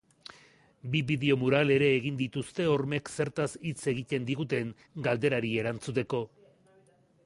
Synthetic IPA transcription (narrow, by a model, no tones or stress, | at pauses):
biβiðe̞o̞muɾale̞ɾe̞ːɣind̪it̪ust̪e̞o̞ɾme̞kse̞ɾt̪asit͡se̞ɣ̞it̪e̞nd̪iɣut̪̬e̞ŋ | ɡald̪e̞ɾaɾie̞ɾant͡sut̪e̞ko̞